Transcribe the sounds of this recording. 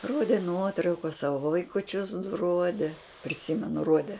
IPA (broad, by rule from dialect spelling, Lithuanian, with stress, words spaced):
ˈroːdʲeː ˈnuɔtrɐʊkɐs ˈsɑːʋoː ʋɐɪkʊˈt͡ʃʲʊs dʊ ˈroːdʲeː pʲrʲɪˈsʲɪmʲɛnʊ ˈruɔdʲɛ